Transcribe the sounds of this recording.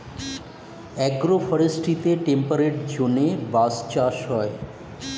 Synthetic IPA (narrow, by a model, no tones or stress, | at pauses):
ɛɡɾofʰəɾesʈʰit̪eʈempəɾeʈd͡ʒonebast͡ʃaʃɦɔe